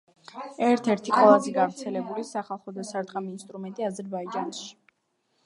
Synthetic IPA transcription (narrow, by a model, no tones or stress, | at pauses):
ɛɾt̪ʰɛɾt̪ʰiqʼwɛlˠazɛɡavɾt̪sʰɛlɛbulisaχalˠχɔd̪asaɾd̪ʁamiːnst̪ʼɾumɛnt̪ʼiazɛɾbaid͡ʒanʃi̥